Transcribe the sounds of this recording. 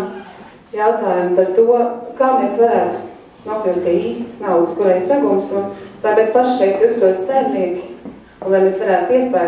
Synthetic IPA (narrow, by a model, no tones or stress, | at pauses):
jaʊt̪aːjumpaɾt̪uɔkaːmeːsvaɾæːt̪u̥ | nuɔpilˠt̪̚p̪ʲiɛiːst̪ə̥snawd̪əskuɾɛjsaɡumsunlˠajpespaʃʃɛjk̚t̪ust̪uɔsʲsæːmniɛkʲ | nlˠajmeːsvaɾæːt̪iɛspa